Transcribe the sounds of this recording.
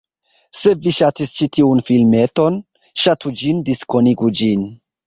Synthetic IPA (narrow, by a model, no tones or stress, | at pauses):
se̞viʃatist͡ʃitʰiunfilme̞to̞n | ʃatʰud͡ʒindisko̞niɡud͡ʒin